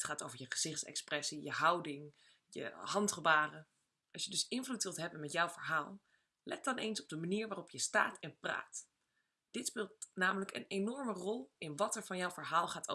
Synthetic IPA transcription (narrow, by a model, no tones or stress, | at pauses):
tχaːto̰wvəɹjəχəz̥ɪχtsɛ̰ksprɛsijəɦɑwdɪŋ | jə̰ɦɑntχəbaːrə | ɑsjədɵsɪnvlutʋɪlˠtɦɛbənmɛtjawvəɹɦaːlˠ | lʔɛ̰t̚dɑnʔḛjnsɔb̚dəmaniːɹʋaːrɔpjəsta̰ːtʰɛnpra̰ːt | d̥ɪtspɪːlˠtnaːmələkə̰nejnɔɹmərɔlˠɪnʋɑtɛɹvɑnjawvəɹɦaːlˠχaːto̰